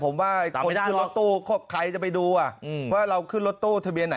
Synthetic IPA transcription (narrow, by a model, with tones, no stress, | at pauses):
pʰo˩˦mwaː˥˩˨o˧nkɯ˥˩˨nɾo˦˥t̪ːuː˥˩kʰɔː˥˩p̚kʰa˧˩jt͡ɕa˨˩pa˧jduː˧ʔa˨˩˧waː˥˩ɾa˧wkʰɯ˥˩nɾo˦˥t̪ːuː˥˩t̪ʰa˧bi˧ənːa˩˦